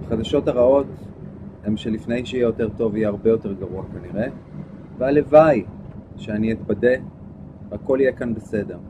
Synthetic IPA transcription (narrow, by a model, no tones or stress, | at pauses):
χadaʃo̞taʁao̞themʃelifnejʃeijejo̞te̞ʁto̞vijeaʁbejo̞te̞ʁɡaʁuakaniʁe̞ | vealevajʃeanietbade̞ | akːo̞lijekanbese̞de̞ʁ